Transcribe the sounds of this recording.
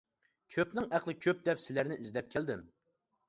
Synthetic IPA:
kʲʰøpnɪŋæqlˠɨkʲʰøp̚d̪ɛpsɪlæɾnɪʔizlɛp̚kʲʰæld̪ɪm

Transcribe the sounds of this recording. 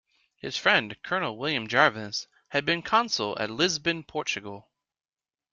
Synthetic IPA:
hɨz̥fɹɛ̃ndkʰɜ˞nl̩ˠwɪlˠjɨ̃md͡ʒɑɹvɨ̃nz̥ | hɨd̚bɨ̃nkʰɑ̃nsl̩ˠɨ̰tˡlɪzbɨ̃npʰɔɹt͡ʃɨɡl̩ˠ

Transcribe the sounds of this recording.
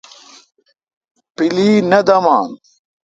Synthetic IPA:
piliːnɐd̪ɐmaːn

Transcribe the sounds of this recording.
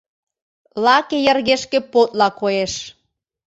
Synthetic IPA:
lɑkejərɣeʃkĕpot̪̚lɑkoeʃ

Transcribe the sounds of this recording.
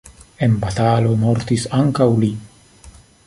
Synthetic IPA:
embat̪aːlo̞moɾt̪isaŋkawli

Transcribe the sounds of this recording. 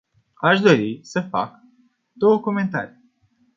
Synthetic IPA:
aʃd̪o̞ɾisəfa̰k | d̪̥o̞wəko̞me̞nt̪a̰ɾi

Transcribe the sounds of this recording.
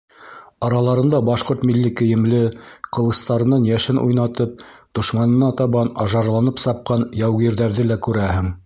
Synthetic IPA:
ɑɾɑlˠɑɾɤ̆nd̪ɑbɑʃqoɾt̪milːikɘ̆jɘ̆mlɘqɤ̆lˠɤ̆st̪ɑɾɤ̆nɑnjæʃɘnʔṵjnɑt̪ɤp̚d̪̥ŏʃmɑnɤ̆nɑt̪ɑβɑnɑʒɑɾlˠɑnɤpsɑp̚qɑnjæwɣiɾðæɾðɘlækʉɾæhɘŋ

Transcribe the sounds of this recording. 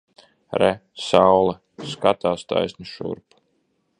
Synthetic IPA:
ɾɛsawlˠɛ | skat̪aːst̪a̰jsʲnuʃṵɾp

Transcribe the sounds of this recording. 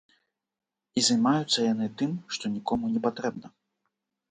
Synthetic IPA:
izɐjmajut̪sːɐjanɨt̪ɨmʂt̪ɔnʲikɔmunʲɛpat̪ɾɛbnɐ

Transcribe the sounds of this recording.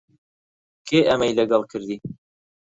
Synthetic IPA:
kʰeːʔɐmɛjlɐɡɑlˠkʰɨɾd̪iː

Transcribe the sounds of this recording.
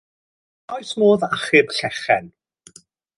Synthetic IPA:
ɔjsmoːðaχɨbɬɛχɛn

